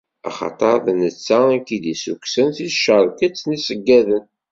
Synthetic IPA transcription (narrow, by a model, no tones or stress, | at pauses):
ɑ̰χɑ̰t̪ˤɑɾðnət͡sːæəkid̪isuksənθiʃəɾˤkət͡sːnisəɡːæðən